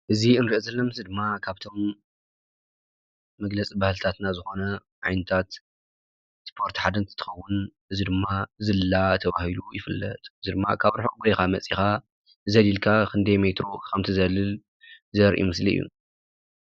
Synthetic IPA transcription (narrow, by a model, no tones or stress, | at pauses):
ʔɨziɨnɾiʔozɐlːɐmɨsɨd̪ɨmːakʰaβt̪ʰo̞m | ɐɡlɐt͡sʼibahlt̪ʰat̪nazɨxo̞nɐ | ʕajnɐt̪ʰat̪ | spʰo̞ɾt̪ħad̪ɐnt̪ʰɨ̥t̪ʰːɨ̥xɐwːʊnʔɨzid̪ɨmːazɨlɨlat̪ʰɐβahilujɪfɨlːɐt̪ʼɨzid̪ɨmːa̰kʰaβɾħokʼbjkamɐt͡sʼixa | zɐlilkʰakʰɨnd̪emet̪ɾo̞kʰɐmt̪ʰizɐlɨl | zɐɾʔj̰ʔimɨsliɨ̰jːṵ